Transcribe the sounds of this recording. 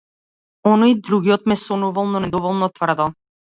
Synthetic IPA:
ɔnɔjid̪ɾuɡiɔt̪̚mɛsɔnuvalˠnɔnɛd̪ɔvɔlˠnɔt̪vr̩d̪ɔ

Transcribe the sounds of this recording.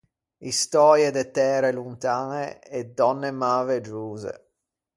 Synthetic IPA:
ist̪ɔːɾjed̪et̪ɛːɾelunt̪aːneːd̪ɔnːemaːved͡ʒuːzḛ

